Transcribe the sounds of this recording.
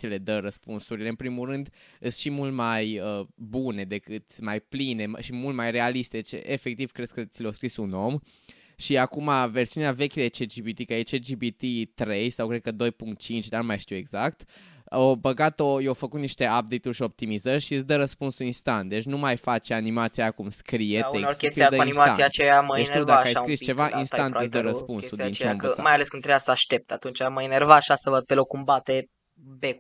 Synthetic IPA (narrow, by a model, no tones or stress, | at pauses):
sile̞d̪əɾəspunsuɾile̞ɨnpɾimuɾɨnd̪ɨst̪ʃimult̪majəbune̞d̪e̞kɨt̪majpline̞ʃimult̪majre̞alist̪ed̪et͡ʃḛʔefe̞k̚t̪iv̥kɾe̞d̪kət̪sileoskɾisuno̞m | ʃiakumave̞rsiuneave̞kʲed̪et͡ʃed͡ʒibit̪ikəjet͡ʃed͡ʒibit̪it̪ɾe̞jsawkɾed̪kəd̪o̞jpuŋkt̪̚t͡ʃint͡ʃʲd̪anumajʃt̪iwe̞ɡzak̚t̪ | obəɡat̪ojewfəkut̪niʃt̪e̞ap̚d̪ejt̪urʃio̞p̚t̪imizərʃiɨsd̪əɾəspunsuinst̪ant̪̚d̪e̞t͡ʃʲnumajfat͡ʃeanimat̪sijakumskɾijeeorkʲest̪iead̪əanimat̪aijat͡ʃejaməeʃiwvd̪aəajskɾist͡ʃe̞vaʔ̪inst̪antɨsd̪əɾəspunuint͡ʃeməamajaleskɨnt̪ɾejasəaʃt̪e̞p̚t̪at̪unt͡ʃaməenervaːʃasəvəd̪̚pelokːumbat̪e | be